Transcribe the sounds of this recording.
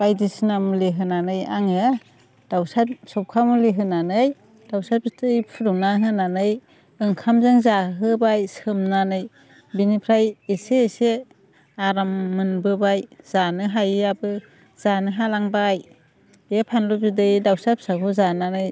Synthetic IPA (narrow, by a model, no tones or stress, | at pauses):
b̥ajdisnamuliɦɯnanɯja̰ŋɯ | d̥awsasɔwp̚kʰamuliɦɯnanɯj | d̥awsaitʰɯjpʰɯɾuŋnaɦɯnanɯj | ɯŋkʰamzɯŋzaɦɯbajsɯmnanɯj | binipʰɾajesese | aɾamːɯnbɯbajz̥anɯɦajabɯ | z̥anɯɦalaŋbaj | epʰanluzudɯjdawsap̚sakʰuzananɯj